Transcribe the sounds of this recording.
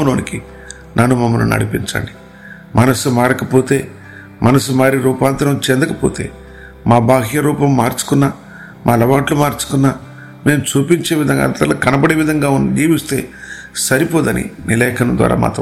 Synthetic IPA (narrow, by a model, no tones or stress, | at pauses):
noːniki | nɐnːumɐmːɐnṵnɐ̰ɽipiɲt͡ʃa̰ːɳɖi̥ | mʔɐnɐsumaːɾɐkɐpo̞ːt̪e̞ː | mɐnɐsumaːɾiɾuːpaːnt̪ɐɾɐmt͡ʃend̪ɐkɐpoːt̪e̞̰ː | maːbʱaːɦjɐɾuːpɐmːaːɾt͡ʃu̥kunːaː | mʔaːlɐʋaːʈlumaːɾt͡ʃu̥kunːaː | me̞ːmut͡ʃuːpiɲt͡ʃe̞ːʋid̪ʱɐŋɡa̰nt̪ɐlɐːkɐnɐbɐɽeːʋid̪ʱɐŋɡaːund͡ʒiːʋist̪e̞ː | sɐɾipoːd̪ɐnḭnilɛːkʰɐnɐmd̪ʋa̰ːɾa̰ːma̰ːt̪ɐ